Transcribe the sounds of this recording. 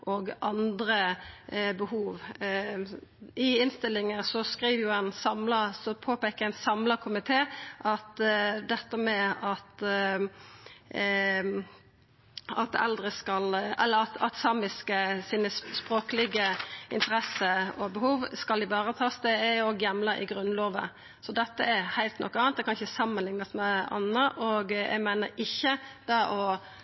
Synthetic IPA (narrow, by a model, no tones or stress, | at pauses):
ʔoːɡʔɑnd̪ɾə | bəhuːʋ | ɪɪnst̪ɪlːɪŋəsɔskʁiːʋəjʊɛnsɑmləsɔpʰoːpeːkəʁɛnsɑmləkʰʊmɪt̪ʰeːʔɑt̪d̪ɛt̪ːəmɛɑt̪ | ɑt̪ɛ̰ld̪ɾəskɑlɛlːəɾɑt̪ɑt̪sɑːmɪskəsiːnəspɾoːkəlɪɡəʔɪ̰nt̪əɾɛsəɔbɛhuːʋskɑlɪbɑːʁət̪ʰɑːsd̪eɛɔɡjɛmləʔɪ̰ɡɾʉnːloːʋə̰ | sɔd̪ɛt̪ːəɛɾhæɪlt̪nɔ̰kːɑːn̚d̪ɛkʰɑnɪçəsɑmːənlɪŋnɑsmɛɑ̰nːəʔɔɡjʔɛ̰ɡmæɪnəɾɪçːəd̪̥ɑʔɔ